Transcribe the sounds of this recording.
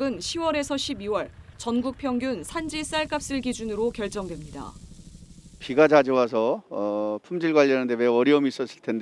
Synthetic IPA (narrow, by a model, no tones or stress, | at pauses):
ɡɯnɕʰiwʌɾe̞sʰʌɕʰibiwʌɭt͡ɕʌnɡuk̚pʰjʌŋɡjunsʰand͡ʑis͈aɭk͈ap̚s͈ɯɭɡid͡ʑunɯɾokjʌɭt͡ɕ͈ʌŋdwe̞mɲida̰ | piɡad͡ʑad͡ʑiwasʰʌ | pʰumd͡ʑiɭɡwaʎːʌnɯnde̞we̞ʌɾjʌomiːs͈ʌs͈ʰɯ̥ɭtʰend